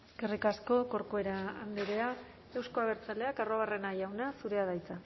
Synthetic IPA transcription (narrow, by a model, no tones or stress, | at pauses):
kerikasko̞ko̞ɾkoe̞ɾaand̪eɾe̞a | ewsko̞aɣ̞e̞ɾt͡sale̞akaroβ̞are̞najawnasuɾe̞aðajt͡sa